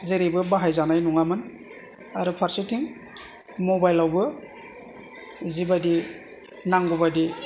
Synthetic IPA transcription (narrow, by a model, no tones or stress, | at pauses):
zeɾibɯbaɦajzanajnuŋamɯn | aɾupʰaɾsitʰiŋ | mobajlawbɯ | zibadi | naŋɡubadi